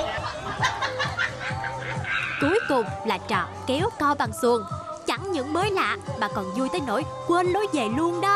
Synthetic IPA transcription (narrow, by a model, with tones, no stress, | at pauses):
ku˨˦əjkʊ˨˩ŋ͡mlaː˨˩t͡ɕɔ̰ː˧˨mkɛ˨˦wt̪ɔ˧ɓa˨˩ŋsu˧˩əŋ | t͡ɕa˧˩ŋɲɨ̰˧˥ŋməː˨˦jla̰ː˧˨ʔ̚maː˨˩kɔ˨˩nzu˧əjt̪əː˨˦jno̰˧˥jkwəː˧nlo˨˦jze˨˩lu˧ənɗə˨˦